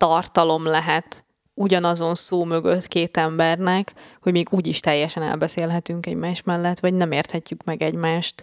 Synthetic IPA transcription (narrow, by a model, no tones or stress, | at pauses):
t̪ɒrt̪ɒlo̞mlɛɦɛt̪ | uɟɒnɒzo̞nsoːmø̞ɡøt̪keːt̪ɛmbɛrnɛkho̞ɟmeːɡuːɟiʃt̪ɛjːɛʃɛnɛ̰lbɛseːlɦɛt̪yŋkɛɟmaːʃt̪mɛlːɛt̪ːʋɒɟnɛmeːrt̪hɛcːykmɛɡɛɟmaːʃt̪